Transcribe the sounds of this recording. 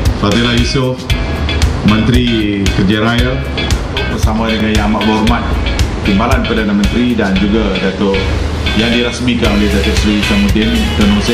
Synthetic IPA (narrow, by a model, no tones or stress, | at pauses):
fat̪ilahjusʊf | mə̃nt̪ɾikərd͡ʒaɾaja | bərsamãdəŋãnjãamat̪̚bɔrmat̪̚t̪imbalanpərdanamə̃nt̪ɾidand͡ʒuɡadat̪ʊ | jaŋdiɾasmikanolɛhdat̪ʊʔsɾisamudɪnt̪ənusɪ